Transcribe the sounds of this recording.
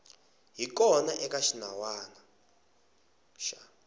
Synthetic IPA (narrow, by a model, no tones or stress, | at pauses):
ɦik̬ɔnaʔɛk̬ʼaʃinawaːna | ʃa